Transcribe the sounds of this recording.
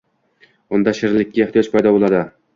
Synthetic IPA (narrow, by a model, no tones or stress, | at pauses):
ʊnd̪aʃɪɾlɪkʲːaeχt̪ijɒt͡ʃ̪pʰajd̪ɒbolˠad̪ɪ